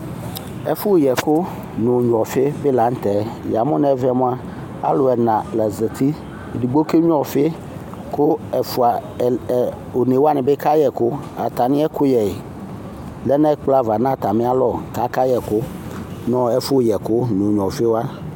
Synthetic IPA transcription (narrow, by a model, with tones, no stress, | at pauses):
ɛ̰˦fu˦wjɛ˨kʊ˦ | nõ˨ɲ˨ɔ̃˨fe˦be˦la˨˦ŋ̩˦t̪ɛ˨˦ja˨mõ˦nɛ̃˦vɛ˦mõ˦a˦ | a̰˦lo˨ɛ˨nã˨lɛ˨ze˨t̪ʰi˦˨ | di˨ɡ͡bo˦ke˦ɲ˦ɔ̃˨fe˦ | ko˦ɛ˨fu˨a˨ | o˨ne˨wa˦nɛ̃˨be˦ka˦jɛ˨ko˦a̰˨t̪a˨nĩ˦ɛ˦kʰo˦jɛ˨e˨ | lɛ˦nɛ̃˦k͡pla˦va˨nã˦˨t̪a˨mẽ˦a˦lɔ˨ka˦ka˦jɛ˨kʊ˦ | nɔ̃˦ɛ˦fu˦wjɛ˨kʊ˦nõ˨ɲ˨ɔ̃˨fe˦wo˦a˦